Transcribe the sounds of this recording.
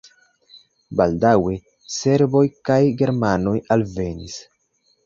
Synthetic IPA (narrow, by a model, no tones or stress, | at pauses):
baldawe̞ | se̞ɾbo̞jkajɡe̞ɾmano̞jalve̞nḭs